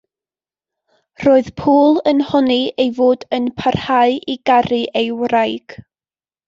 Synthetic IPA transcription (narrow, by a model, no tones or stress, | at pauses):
roːɨðpʰuːlˠənhɔniejvoːdənpʰarhaɨʔiɡarɨʔejwrajɡ̥